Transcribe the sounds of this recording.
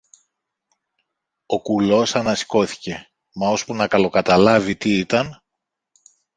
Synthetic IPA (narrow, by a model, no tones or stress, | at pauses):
o̞kulo̞sɐnɐsi̥ko̞θi̥ce̞ | mɐo̞spunɐkɐlo̞kɐt̪ɐlɐvit̪iit̪ɐn